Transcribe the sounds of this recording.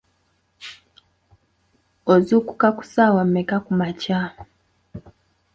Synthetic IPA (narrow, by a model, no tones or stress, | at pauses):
ozuku̥kaku̥sawam̩mekakumaca